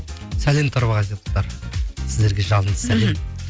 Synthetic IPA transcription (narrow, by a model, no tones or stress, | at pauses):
sæle̞mt̪ʰoɾβɑʁɑset̪ə̥t̪ɑɾsɪzd̪e̞ɾɡʲe̞ʒɑlˠənd̪ə̥sælem